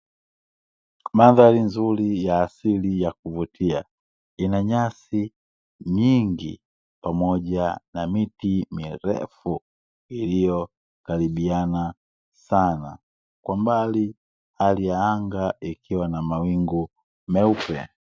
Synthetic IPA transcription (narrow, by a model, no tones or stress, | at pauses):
maðalinzulijaːsilijakuvutʰia | inaɲasi | ɲiŋɡḭ | pamɔɟanamitimiɾɛ̰fu | ilijɔ | kalibiana | sana | kwambali | halijaaŋɡaikiwanamawiŋɡu | mɛupɛ̰